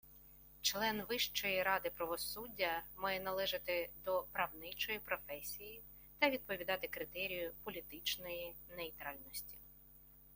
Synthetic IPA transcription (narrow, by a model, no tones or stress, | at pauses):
t͡ʃlˠɛnʋɪʃt͡ʃɔjiɾɑd̪ɪpɾɐʋɔsudʲːɐmɑjɛnɐlˠɛʒɪt̪ɪd̪ɔpɾɐwnɪt͡ʃɔjipɾɔfɛsʲiji | t̪ɐʋʲid̪̚pɔʋʲid̪ɑt̪ɪkɾɪt̪ɛɾʲijʊpɔlʲit̪ɪt͡ʃnɔjinejt̪ɾɑlʲnɔsʲtʲi̥